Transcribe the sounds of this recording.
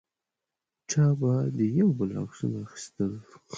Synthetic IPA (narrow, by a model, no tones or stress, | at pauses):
ʈ͡ʂɑbad̪əjawbəla̰wsunaxi̥st̪əl